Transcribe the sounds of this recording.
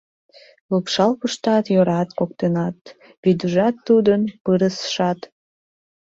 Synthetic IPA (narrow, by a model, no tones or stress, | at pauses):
lupʃɑlpəʃt̪ɑt̪joɾɑt̪kok̚t̪enɑt̪ | βid̪əʒɑt̪ːud̪ənpɨɾəsʃɑt̪